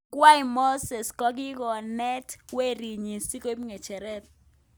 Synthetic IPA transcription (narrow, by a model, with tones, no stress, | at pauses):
kwa˦i˨mo˦sɛ˨skɔ˦ɡ̬i˦kɔ˨nɛ˦twe˦ɾi˨ɲi˨si˦ko˦pŋɛ˨t͡ʃɛ˨ɾɛ˦t̪̚